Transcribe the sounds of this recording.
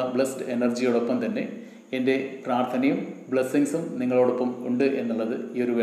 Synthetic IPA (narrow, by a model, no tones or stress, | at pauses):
ɐbɭestɨenɐrd͡ʑijuɽo̞pːɐmt̪ɐnːe̞ | ende̞praːrt̪ʰɐnɐjumbɭesːiŋsumniŋːɐɭoːɽopːɐmuɳɖɨʔe̞nːuɭːɐðɨio̞ɾuʋe